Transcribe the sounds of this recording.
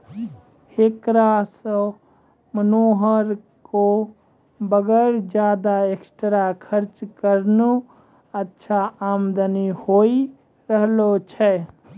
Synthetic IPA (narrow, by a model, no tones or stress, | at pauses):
hekɾasə | mənoːɦəɾ | ko | bəɡəɾd͡ʒjaːd̪aeksʈɾakʰəɾt͡ʃkəɾno | ətːʃʰaaːmd̪ənihoi | ɾəɦlot͡ʃʰɛ